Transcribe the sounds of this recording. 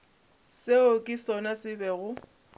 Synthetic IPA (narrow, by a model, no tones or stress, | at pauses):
seokʼɪsɔnasɪbɛɣʊ